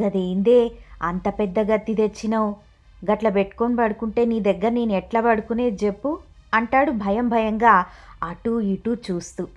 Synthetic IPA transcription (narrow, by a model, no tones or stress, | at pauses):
ɡɐd̪eːind̪e̞ːɐnt̪ɐpɛd̪ːɐɡɐt̪ːid̪e̞t͡ʃːinɐw | ɡɐʈlɐbeʈːu̥ko̞nbɐɽukuɳʈe̞ːniːd̪ɛɡːɐɾɐneːnuɛʈlɐːbɐɽukune̞ːd͡ʒe̞pːu | ɐɳʈaːɽubʱɐjɐmbʱɐjɐŋɡaːɐʈuiʈut͡ʃuːst̪u